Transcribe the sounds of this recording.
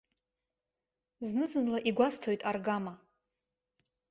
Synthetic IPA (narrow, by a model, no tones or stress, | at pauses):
znɨzɨnlaʔiɡʷastʰojtʼarɡama